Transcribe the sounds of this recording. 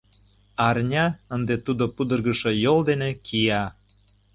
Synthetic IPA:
ɑrnʲɑənd̪et̪ud̪opud̪ərɣəʃojold̪enekʰijɑ

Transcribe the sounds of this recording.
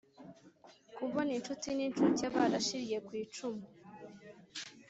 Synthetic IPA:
kuβonint͡ʃutinint͡ʃuɾceβaɾaʃiɾije̞kwiːt͡ʃumu

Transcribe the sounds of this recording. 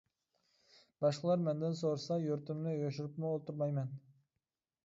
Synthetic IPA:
b̥ɑʃqəlˠɑɾmɛnd̪ɪnsoɾsɑjøɾt̪ɪmnɪjoʃyɾɪpmʊolˠt̪uɾmɑjmɛn

